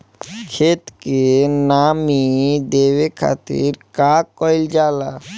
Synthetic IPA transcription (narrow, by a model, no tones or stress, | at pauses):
kʰet̪kenamid̪ewekʰa̰t̪ḭɾkaɔjld͡ʑala